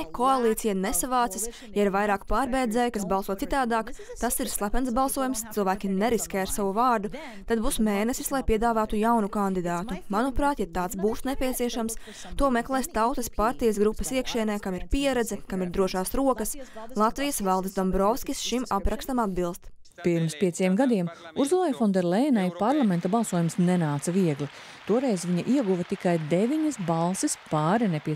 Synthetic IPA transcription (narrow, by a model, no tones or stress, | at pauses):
koalˠiːt̪sijanesavaːt̪sis | jaɛɾvajɾaːkpaːɾbɛjd̪zɛːjkasbɑlˠsuɔt̪sit̪aːd̪aːkt̪asiɾslˠapʲɛnsbɑlˠsuɔjumst̪silˠvæːkʲineɾiskʲɛːɾsavuvɑːɾd̪u | t̪ad̪̚buːsmeːnɛsislˠajpiɛd̪aːvaːt̪ujawnukand̪id̪aːt̪umanupɾaːt̪jat̪aːt̪sbuːsnepʲiɛt̪siɛʃams | t̪uɔmɛklˠɛːst̪awt̪ɐspaɾt̪ijɐs̬ɡɾupːɐsiɛkʃiɛnɛːkamiɾpiɛɾɛd̪zɛkamiɾd̪ɾuɔʃaːsɾuɔkɐslˠat̪vijəsvalˠd̪ɪsd̪ɔmbɾɔfskʲisʃimapɾakst̪amad̪bilˠst̪ | piɾmspʲiɛsʲiɛmɡad̪iɛmuɾzulˠajfɔnd̪ɛɾlˠɛːnajpaɾlˠamɛnt̪abɑlˠsuɔjumsnɛnaːt̪sɐviɛɡli | t̪uɔɾɛjzʋiɲɐʔiɛɡuvɐt̪ikajd̪evʲiɲɐsbalˠsispaːɾɛnɛpʲiɛ